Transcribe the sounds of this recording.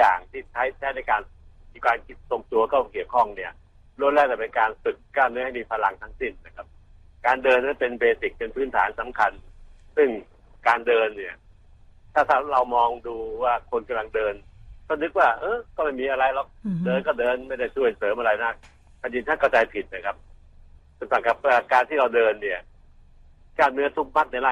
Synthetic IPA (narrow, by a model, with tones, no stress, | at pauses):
ja̰ː˨˩ŋt̪ʰiː˥˩t͡ɕʰa˦˥jt̪ʰɛː˥˩na˧˥˩jkaː˧niː˧kwaː˧nki˦˩so˨˧ŋt̪u˧ɐkɔː˥˩ki˨˩əwkʰɔ˥˩ŋni˥˩ɐ | ɾu˥˩nlɛː˥˩k̚t͡ɕɛa˨˩pe˧nkaː˧nfɯ˨˩kːaː˥˩mnɯ˦˥˦ha˥˩jmiː˧˩pʰa˧la˧ŋt̪ʰa˦˥ŋsi˥˩nːa˦˩kʰa˦˥p̚ | kaː˧ndɤː˧nmaː˥˩npe˧nbeː˧si˨˩k̚pe˧npʰɯː˦˥nt̪ʰa̰ː˩˦nsa˩˦mkʰa˧nsɯ˥˩ŋ | kaː˧ndɤː˧nːi˥˩ɐ | t̪ʰaː˥˩t̪ʰaː˥˩ɾa˧wmɔː˧ŋduː˧waː˥˩kʰo˧nka˧mla˧ŋdɤː˧nkɔ˥˩nɯ˦˥k̚waː˥˩ʔɤː˧˥˩kɔː˥˩ma˥˩jmiː˧ʔa˧ɾa˧jlɔ˨˦˩k̚dɤː˧nk̬ɔː˥˩dɤː˧nma˥˩jda˥˩jt͡ɕʰu˥˩ə˨˩jsɤː˨˦mʔa˧ɾa˧jna˦˥˩ | kʰa˧˩ji˧nt̪ʰaː˥˩kʰa˧˩wt͡ɕaː˧jpʰi˨˩t̪̚na˦˩kʰa˦˥p̚ | sɯ˧˩sa˨˧˩kʰa˦˥˩p̚ːa˥˧˩kaː˧nt̪ʰiː˥˩ɾa˧wdɤː˧nːi˥˩ɐ | kaː˥˩mnɯ˦˥ɐt̪ʰu˦˥k̚ma˦˥˩t̪̚na˧jlaː˥˩